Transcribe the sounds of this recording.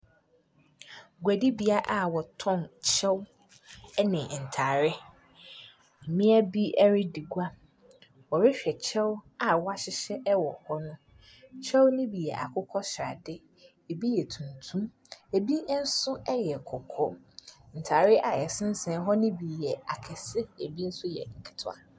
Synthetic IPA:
ɡʷæ˨di˦bi˨˦a˦ʔa˨wɔ˨tʰɔ̃˦˨nt͡ɕʰɛ˦w | nɪ̃˨n̩˨tʰaː˨ɾɪ˦ | m̩˨mɪ̃˦æ˦bi˦ʔɛ˦ɾɪ˦di˨ɡʷa˦ | wɔ˨ɾɪ˦ɕᶣɛ˨t͡ɕʰɛ˦wa˨wɔ˦a˦ɕɪ˦ɕɛ˦ʔɛ˦wɔ̰˨hɔ˦nʊ̃˦ | t͡ɕʰɛ˦wnɪ̃˦bi˨jɛ̰˨ʔa̰˨kʰʊ˦kʰɔ˦ɕɾa˨dɪ˦ | e˨bi˦jɛ˨tʰũ˨ntʰũ˦m | e˨bi˦n̩˦sʊ˦ɛ˦jɛ˨kʰɔ˨kʰɔ˦n̩˨tʰaː˨ɾɪ˦ʔa˨jɛ˨sɪ̃˦n̩˦sɛ̃˨˦ɦɔ˦nɪ̃˦bi˨jɛ˨a˨kʰɛ˨sɪ˦e˨bi˦n̩˦sʊ˦jɛ̰˨ŋ̩˨kʰɪ̥˨tʰʊ̰˦a̰˨

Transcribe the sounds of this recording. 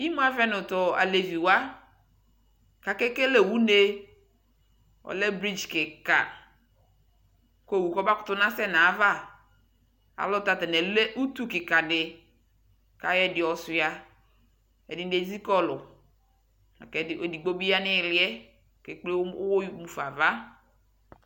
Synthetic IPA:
i˦mũ˦a˦vɛ˦nʊ˨tɔ˨a̰˨le˨vi˨wa˦ | ka˨kɛ˦ke˦lɛ˨wu˦ne˦ | ɔ̰˨lɛ˦bɾi˦d͡ʒkɪ˨ka̰˨ | ko˦˨wu˨kɔ˦ba˦kʊ̥˦tʊ˦nã˦sɛ˦na˨˦va˦ | a̰˨lɔ˦t̪a˨t̪ɛ˨nɛ˨lɛ˦ʔu˦tu˦kɪ˨ka˨dɪ˨ | ka˨jɛ˦dɪ˨ɔ˨sʊ˨ja˨ | ɛ˨dɪ˨˦de˨d͡zi˦kɔ˦lʊ˨ | a̰˨kɛ˨ɪ˨o˨di˨ɡ͡bo˦bi˦ja˦nɪ˦˨lɪ˦ɛ˦˨ | ke˨k͡ple˦wo˦mu˨fa˨va˦

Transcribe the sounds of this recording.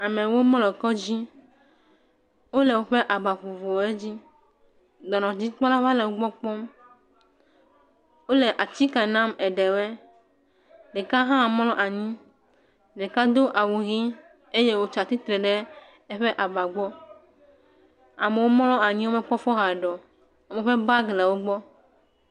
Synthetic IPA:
a˨mẽ˨wo˦mɔ̃˦lɔ˨kɔ˦d͡ʑi˦ | wo˦lɛ˨wo˦ɸe˦ʔa˨ba˨ɸo˨vo˨e˦d͡ʑi˦ | d̪ɔ˨nɔ̃˨d͡ʑi˦k͡pɔ˦la˦va˦lɛ˨wo˦ɡ͡bɔ˦k͡pɔ˦m | wo˦lɛ˨ʔa˨t̪i˦ka˨nã˦mɛ˨ɖɛ˨wɛ˦ | ɖe˨ka˦ɦã˦˨mɔ̃˦lɔ̃˦ʔa˨ɲĩ˦ | ɖe˨ka˦d̪o˦ʔa˨wu˨ɣi˦ | e˦je˦wo˦t͡ʃa˨t̪i˦t̪ɾɛ˨ɖɛ˦ | ɛ˦ɸɛ˦ʔa˨ba˨ɡ͡bɔ˦ | a˨mɛ˨wo˦mɔ̃˦lɔ̃˦a˨ɲĩ˦wo˦mɛ̃˨k͡pɔ˦fɔ˦ɦa˨ɖɔ˨ | o˦mɛ˨ɸɛ˦ba˦ɡlɛ˨wo˦ɡ͡bɔ˦

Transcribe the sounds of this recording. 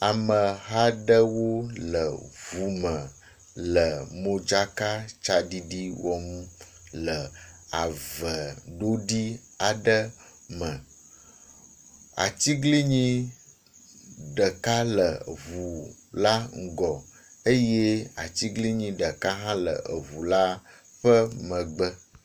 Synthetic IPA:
a˨mə˨ɦa˦ɖə˦wo˦lə˨vu˨mə̃˨ | lə˨mõ˦d͡ʒa˦ka˦t͡ʃa˨ɖi˦di˦wɔ˨mũ˦ | lə˨a˨və˨ɖo˦ɖi˦ | a˨ɖə˦ | mə̃˨ | a̰˨t͡ɕi˦ɡli˦ɲĩ˦ | ɖə˨ka˦lə˨vu˨la˦ŋ̩˦˨ɡɔ˨ | ə˦je˦a̰˨t͡ɕi˦ɡli˦ɲĩ˦ɖə˨ka˦ɦã˦lə̰˨ʔə˨vu˨la˦ | ɸə˦mə̃˨ɡ͡bə˦

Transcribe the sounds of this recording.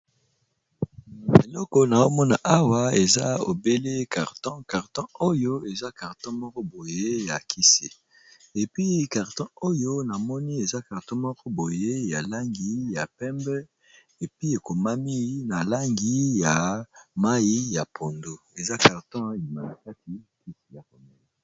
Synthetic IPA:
e˨lɔ˦kɔ˨na˨o˦mɔ˦na˨ʔa˦wa˦e˨za˦o̰˨be˦le˦ka˨ʁtɔ̃˦ka˨ʁtɔ̃˦o˦jo˦e˨za˦ka˨ʁtɔ̃˦mɔ˦kɔ˦bo˨je˦ja˨kʰi˦se˨ | e˨pi˦ka˨ʁtɔ̃˦o˦jo˦na˨mɔ˦ni˦e˨za˦ka˨ʁtɔ̃˦mɔ˦kɔ˦bo˨je˦ja˨la˦ŋɡi˦ja˨pɛ˦mbɛ˦ | e˨pi˦e˨ko˨ma˦mi˦na˨la˦ŋɡi˦˨ja˨ma˦i˦ja˨pʰo˨ndo˦e˨za˦ka˨ʁtɔ̃˦˨li˨ma˨na˨ka˦ti˨ki˦se˨ja˨ko˨mɛ˨le˦

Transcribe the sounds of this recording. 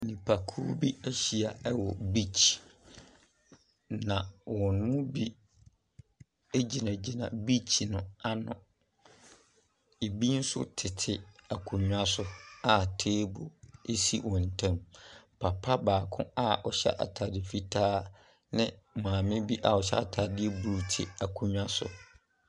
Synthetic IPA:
nĩ˨pʰa˨kʰu˦bi˦æ˦ɕi˨a˨ɛ˦wɔ˨bi˦t͡ɕʰi˨ | nã˨wɔ̃˨n˦mʊ̃˦bi˦ | e˦d͡ʑi˨nã˨d͡ʑi˨nã̰˨bi˦t͡ɕʰi˨nʊ̃˦a˦nʊ̃˨ | e˨bi˦n̩˦sʊ̰˦tʰɪ˨tʰɪ˨a˨kʰũ˨ɲᶣ˦a˦sʊ˨a˨tʰeː˦bo˨e˦si˦wɔ̃˨n̩˨tʰã˦mpʰa˨pʰa˦baː˨kʰʊ̰̃˦a˦˨ɔ˨ɕɛ̰˦ʔa̰˨tʰaː˨dɪ˨fi˦tʰaː˦ | nɪ̃˦˨mãː˨mɪ̃˦bi˦ʔa˨ɔ˨ɕɛ̰˦a˨tʰa˨dɪ˦e˦bu˨ɾu˨tʰɪ˨a˨kʰũ˨ɲᶣ˦a˦sʊ̰˨

